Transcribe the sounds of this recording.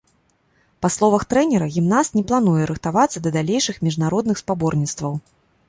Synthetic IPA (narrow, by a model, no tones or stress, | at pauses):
paslˠɔvɐxt̪ɾɛnʲɛɾɐɣʲimnast̪nʲɛplˠanujɛɾɨxt̪avat̪sːɐd̪ɐd̪alʲejʂɨxmʲiʐnaɾɔd̪nɨxspabɔrnʲit̪st̪vɐw